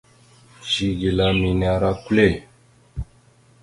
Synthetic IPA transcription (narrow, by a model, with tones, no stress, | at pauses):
ʒi˦ɡi˨la˦mi˨na˨˦ɾa˦ku˦le˦˨